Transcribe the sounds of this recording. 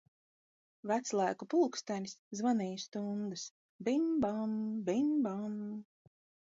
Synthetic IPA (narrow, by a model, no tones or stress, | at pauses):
væt̪slˠajkupulˠkst̪anʲsʲzvanijst̪uŋɡɨs | bimbambimbam